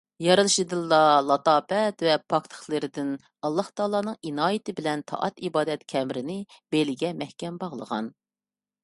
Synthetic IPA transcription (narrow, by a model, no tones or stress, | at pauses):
jɑɾɨlˠɨʃɨd̪ɨlˠːɑlˠɑt̪ɑːpɛt̪vɛpʰɑkt̪ʰə̥χlˠɨɾɪd̪ɪn | ɑlˠːɑht̪ʰɑːlˠɑːnɨŋinɑːjɪt̪ɪbɪlɛnt̪ʰɑ̰ʔɑ̰t̪ibɑːd̪ɛt̪kʲʰɛmɾɪnɪb̥elɪɡʲɛmɛhkʲɛmbɑʁlˠə̰ʁɑ̰n